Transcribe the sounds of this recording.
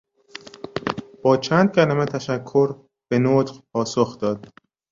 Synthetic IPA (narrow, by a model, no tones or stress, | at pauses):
b̥ɒːt͡ʃʰæːnd̪̚cʰælæmet̪ʰæʃækʰːo̞ɾ | b̥e̞not̪pʰɒːsoxd̪ɒːd̪̥̚